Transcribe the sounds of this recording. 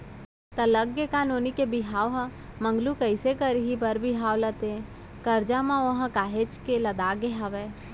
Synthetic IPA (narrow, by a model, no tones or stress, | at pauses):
t̪ɐləɡːekaːnoːnikebiɦaːʋɦə | mə̃ŋɡlukəɪsekəɾiɦibɐɾbiɦaːʋlɐt̪ẽ | kɐɾd͡ʒamãʋɐɦə̃kaːɦet͡ʃkelɐd̪aːɡeɦaʋeː